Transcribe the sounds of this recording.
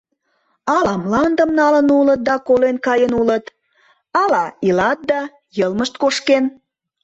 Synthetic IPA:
ɑlɑmlɑnd̪əmnɑlənulət̪̚d̪ɑkolenkɑjənulət̪ | ɑlɑilɑt̪̚d̪ɑ | jəlməʃt̪koʃken

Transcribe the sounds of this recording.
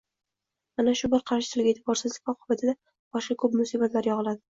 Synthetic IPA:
anaʃʊbɪɾqʰɑɾʃɪ̥t̪ʰɪlɡʲaet̪ʰɪbɒɾsɪzlɪkʲɒqʰʊbat̪ʰɪd̪a | b̥ɒʃqɑkʰɵpmʊsibat̪laɾjɒʁɨlad̪ɪ

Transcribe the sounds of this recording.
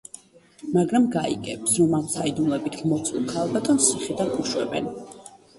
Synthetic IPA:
maɡɾamɡaḭkʼɛpsɾɔmamsaid̪umlɛbit̪ʰɡmɔt̪sʼulˠkʰalˠbat̪ʼɔnssiχid̪anʼuʃwɛ̰bɛ̰n

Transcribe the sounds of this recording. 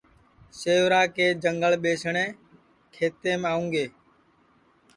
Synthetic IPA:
seːʋɾaːkeːd͡ʒəŋɡəɭɓeːsɳẽː | kʰeːt̪eːmaːũːŋɡeː

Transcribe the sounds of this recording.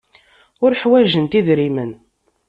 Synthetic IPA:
ʊɾħwæʒənt̪iðɾimən

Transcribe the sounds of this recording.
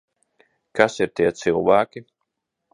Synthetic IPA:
kasiɾt̪iɛt̪sɨlˠvaːkʲi

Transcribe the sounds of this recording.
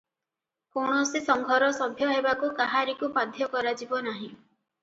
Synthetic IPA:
koɳ̃ɔsisɔŋɡʱɔɾɔsɔbʱjɔɦebakukaɦaɾikupad̪ʱjɔkɔɾad͡ʒibɔnaɦĩ

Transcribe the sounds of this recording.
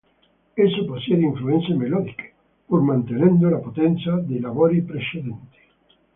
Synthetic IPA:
esoposjeɾeiɱfluenθjemeloðike̥ | puɾmãnt̪enẽnd̪olapot̪enθjaðelaβoɾipɾeseðent̪e̥

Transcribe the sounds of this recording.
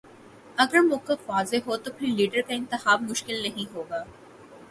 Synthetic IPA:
ɐɡəɾmʊkəkʋaːzeɦot̪opʰɪɾliːɖəɾkaɪ̃nt̪ɪxaːbmʊʃkɪlnɐɦĩɦoːɡaː

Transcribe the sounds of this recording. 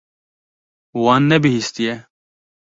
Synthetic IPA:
waːnːebiɦist̪ije

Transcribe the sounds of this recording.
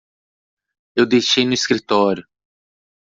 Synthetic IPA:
ewd̪ejʃejnʊiskɾit̪ɔɾjʊ

